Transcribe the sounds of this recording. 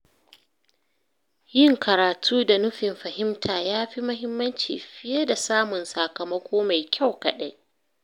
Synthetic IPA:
jɪ˦˨ŋkɐ˨ɾaː˨tʰuː˦da˨nʊ˦ɸɪ˨mɸɐ˨hɪ˦mtʰaː˨jaː˦ɸi˦mɐ˦ɦɪ˦mːɐ˦nt͡ʃḭː˨ɸɪ˦jɐ˦da˨saː˦mʊ˨nsa˨kɐ˨mɐ˦kʷoː˦ma˨jkʲa˦˨wkɐ˨ɗa˦j

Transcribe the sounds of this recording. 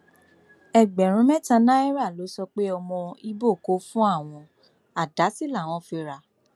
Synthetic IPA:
ɛ˨ɡ͡bɛ˨ɾ̃ũ˨˦mɛ̃˦tã˧nã˦ɛ˦ɾa˦˨lo˨˦sɔ˧k͡pe˦ɔ˧mɔ̃˧i˦bo˦˨ko˦fũ˦a˦˨w̃ɔ̃˧ | a˨da˨˦si˦la˦˨w̃ɔ̃˧fi˧ɾa˧

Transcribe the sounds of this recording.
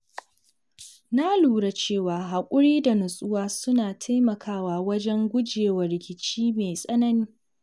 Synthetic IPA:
na˦luː˨ɽa˨t͡ʃeː˦˨waː˨ɦa˨kʷʼʊ˦ɽiː˦da˨nʊ˨sʼʊ˦waː˦sʊ˦naː˨tʰa˦jmɐ˨kʰaː˦waː˨wɐ˦d͡ʒɛ˦ŋɡʷʊ˦d͡ʒeː˨wɐ˨ɾɪ˨kʲɪ˨t͡ʃiː˦meː˨sʼɐ˦nɐ˦niː˦

